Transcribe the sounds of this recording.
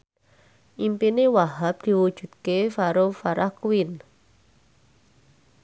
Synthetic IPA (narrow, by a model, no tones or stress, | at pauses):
ʔimpinewaɦap̚d̪̥i̤wud̥ʒ̥ṳd̪̚kefaɾofaɾʔahkuwɪn